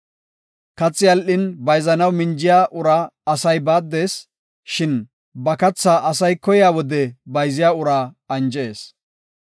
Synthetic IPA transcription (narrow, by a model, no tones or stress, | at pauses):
kɐt͡sːɪjɐlʔɪnbɐjzɐnɐwmɪnd͡ʒɪjaːʔʊɾaːɐsɐjbaːd̪ːe̞ːs | ʃɪn | bɐkɐt͡sːaːʔɐsɐjkɔjɪjaːwɔd̪ɛbɐjzɪjaːʊɾaː | ɐnd͡ʒe̞ːs